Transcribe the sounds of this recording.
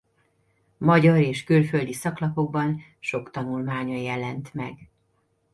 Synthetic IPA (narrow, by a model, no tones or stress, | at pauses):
mɒɟɒɾeːʃkylføld̪isɒklɒpo̞ɡ̚bɒn | ʃo̞kt̪ɒnulmaːɲɒjɛlɛnt̪mɛ̰ɡ